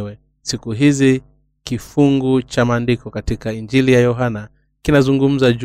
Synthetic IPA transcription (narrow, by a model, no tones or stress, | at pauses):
wɛ | sikuɦizi | kifuŋɡut͡ʃamaːndikɔkatikaind͡ʒilijajɔɦana | kinazuŋɡum̩zad͡ʒ